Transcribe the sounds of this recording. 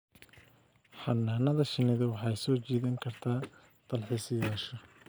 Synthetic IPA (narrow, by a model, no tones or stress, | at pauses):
ħɑnːaːnɐðɐʃɪnɪðɐwɑħɑjsɔːt͡ʃiːðɐŋkʰɐrt̪ʰaː | t̪ɐlħɪsɪjaːʃɔ